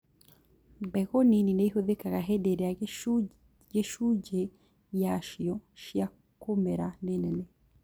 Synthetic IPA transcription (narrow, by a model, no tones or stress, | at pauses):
mbɛɣɔnininɛiɦoðekaɣaɦɛdeɾɛa | ɡeʃud͡ʒɛ | jaʃiɔʃja | komɛɾanɛnɛnɛ